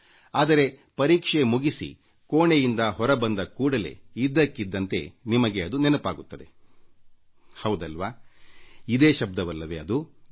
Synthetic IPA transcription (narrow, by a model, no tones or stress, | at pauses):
aːd̪ɐɾe̞pɐɾiːkʂemuɡisḭ | koːɳejind̪ɐɦɔɾɐbɐnd̪ɐkuːɽɐle̞̰id̪ːɐkːid̪ːɐnt̪e̞̰nimɐɡeɐd̪unenɐpaːɡut̪ːɐd̪e̞ | hɐwd̪ɐlʋaː | id̪eːʃɐb̚d̪ɐʋɐlːɐʋe̞ɐd̪u